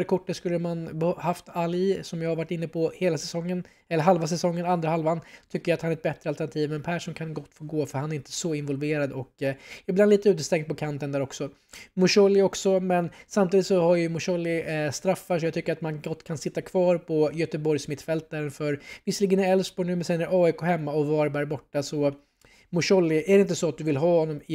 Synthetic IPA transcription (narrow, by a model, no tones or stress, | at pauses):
ɾkʰʊʈːət̪skɵlːəmanbhaft̪alɪsɔmjahaɾvaʈːɪnːəpʰɔheːlasɛsɔŋːən | ɛlːəɾɦalvas̬ɛsɔŋːənand̪ɾahalvant̪ʰʏkːəɾjat̪hanæɾɛt̪bɛt̪ɾəalt̪æɳat̪ʰiːvmɛnpʰæʂuːnkʰanɡɔt̪ːfoːɾɡoːfœɾhanæɾɪnt̪ə̥sɔɪnvɔlveːɾad̪ɔkɪbland̪iːt̪əʉ̟ːt̪əst̪ɛŋd̪̚pʰɔkʰant̪ənd̪æːɾɔksɔ | mʊʂɔlːɪɔksɔmɛnsamt̪iːd̪ɪt̪sɔhaɾjɵmʊʂɔlːɪst̪ɾafːaʂ̬ɔjɑɡt̪ʏkːəɾat̪manɡɔt̪ːkʰansɪt̪ːakʰvɑːɾpʰɔjœt̪əbɔɾjsmɪt̪ːfɛlt̪aɾənfœɾvɪsəliɡənɪɾɛlsbɔnʉ̟ːmɛnsɛnːæɾɑːɪkʰoːɦɛmːaɔvɑːɾbæɾbɔʈːasɔ | mʊʂɔlːɪʔæɖɛɪnt̪əsɔat̪̚d̪ɵvɪlɦɑːhɔnːɔmɪ